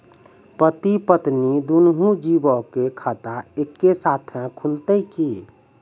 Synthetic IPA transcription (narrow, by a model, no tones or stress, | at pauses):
pət̪ipət̪nid̪unɦũd͡ʒibɔkekʰat̪aekːesat̪ʰə̃kʰult̪əjki